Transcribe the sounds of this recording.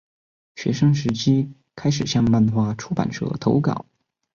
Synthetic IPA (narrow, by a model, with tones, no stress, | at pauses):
ɕɥɛ̰˧˥ʂɤ˥ŋʂɻ̩˧˥t͡ɕʰi˥ | kʰa˥ɪʂ̬ɻ̩˨˩ɕjɑ˥˧ŋma˥˧nxwa˥˧ʈ͡ʂʰu˥pa̰˨˩nʈ͡ʂʰɤ̰˥˩t̪ʰo˧˥ʊkɑ̰˨˩˦